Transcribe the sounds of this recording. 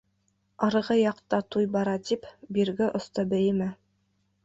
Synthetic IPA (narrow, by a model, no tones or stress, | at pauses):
ɑɾɤʁɤjɑqt̪ɑt̪ujbɑɾɑt̪ipbiɾɡɘʔŏst̪ɤbɘ̆jɘmæ